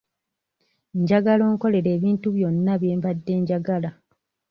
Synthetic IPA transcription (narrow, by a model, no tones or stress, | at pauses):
eɲɟaɡalo̞ːŋko̞le̞ɾe̞ːβiːntuβjo̞nːaβje̞ːmbadːe̞ːɲɟaɡala